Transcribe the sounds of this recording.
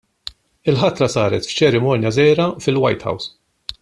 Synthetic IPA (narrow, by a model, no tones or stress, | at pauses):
ɪlħɐt̪ɾɐsɐːɾɛt̪ft͡ʃɛɾɪmɔːnjɐzɛːɾɐfɪlwɐ̰jt̪ħɐ̰ws